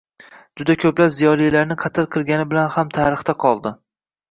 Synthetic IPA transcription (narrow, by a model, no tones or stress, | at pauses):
d͡ʒʊd̪akʲʰɵplapzijɒlˠijlaɾnɪqʰɑt̪ʰɪlˠqʰɨlˠɡʲanɪbɪlanhamt̪ʰaɾɨχt̪aqʰɒlˠd̪ɪ